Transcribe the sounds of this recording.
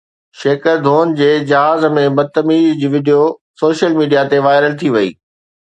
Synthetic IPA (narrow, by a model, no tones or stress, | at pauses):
ʃeːkəɾd̪ʱoːnd͡ʑeːd͡ʑɐɦaːzmẽbɐd̪̚t̪ɐmiːzd͡ʑiːʋɪɖijosoːʃəlmiːɖijat̪eʋaːɪɾəlt̪ʰiʋɐḭː